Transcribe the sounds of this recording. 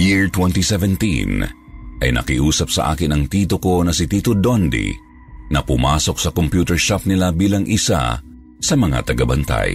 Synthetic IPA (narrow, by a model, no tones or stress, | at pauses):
jiɹt̪wɛnt̪isɛvɛnt̪ḭn | ʔɐjnɐ̰kiʔuːsɐp̚sɐ̰ʔa̰ːkɪnɐŋt̪iːt̪oko̞nɐsɪt̪iːt̪od̪ond̪ḭ | nɐpʊmaːso̞ksɐkompjuːt̪ɛɹʃap̚nɪlabiːlɐŋʔɪsa̰ | sɐmɐŋa̰t̪ɐɡɐbɐnt̪a̰j